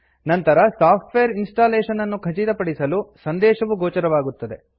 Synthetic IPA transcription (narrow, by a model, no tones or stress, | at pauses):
nɐnt̪ɐɾɐsaːpʰʈʋejɐɾinsʈaːleːʂɐnɐnːukʰɐt͡ʃit̪ɐpɐɽisɐlusɐnd̪ɛːʃɐʋuɡoːt͡ʃɐɾɐʋaːɡut̪ːɐd̪e̞̰